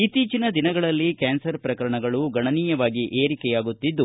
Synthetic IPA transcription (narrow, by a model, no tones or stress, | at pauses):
it̪ːiːt͡ʃinɐd̪inɐɡɐɭɐlːikaːnsɐɾpɾɐkɐɾɐɳɐɡɐɭuɡɐɳɐniːjɐʋaːɡiʔeːɾikɛjaːɡut̪ːid̪ːu